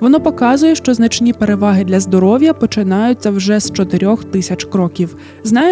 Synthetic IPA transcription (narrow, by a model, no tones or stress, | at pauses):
ʋɔnɔpɔkɑzʊjɛʃt͡ʃɔznɐt͡ʃnʲipe̞ɾe̞ʋɑɦɪd̪lʲɐzd̪ɔɾɔwjɐpɔt͡ʃɪnɑjʊt͡sʲːɐwʒɛst͡ʃɔt̪ɪɾʲɔxt̪ɪsʲɐt͡ʃkɾɔkʲiw | znɑj